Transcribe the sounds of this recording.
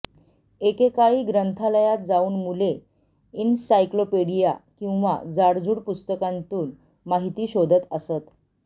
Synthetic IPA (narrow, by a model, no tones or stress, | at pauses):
ekekaɭiːɡɾənt̪ʰaləjat̪̚d͡zauːnmule | insajklopeɽija̰kĩw̃ʋa̰d͡zaɽd͡zuːɽpust̪əkant̪uːn | maɦit̪iːɕod̪ʱət̪əsət̪